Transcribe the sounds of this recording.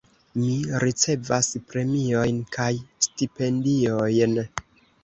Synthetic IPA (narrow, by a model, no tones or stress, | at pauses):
miɾit͡se̞vaspɾe̞mio̞jnkʰajstipe̞ndiojn